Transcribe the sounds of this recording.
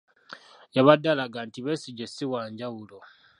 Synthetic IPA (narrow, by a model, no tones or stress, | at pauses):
jaβadːalaɡantiβesiɟesiwaːɲɟawulo